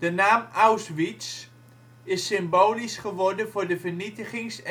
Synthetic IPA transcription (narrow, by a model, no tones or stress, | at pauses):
d̥ənaːmawsʋits | ɪsɪmboːlisχəʋɔrdəvʊːɹdəvərnitəχɪŋs